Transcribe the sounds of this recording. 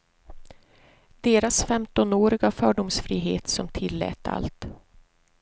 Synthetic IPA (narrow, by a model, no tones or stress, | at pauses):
d̪̥eːɾasfɛmt̪ɔnoːɾɪɡafœːɖʊmsfɾiːɦḛːt̪sɔmt̪ʰɪlːɛ̰ːt̪a̰lt̪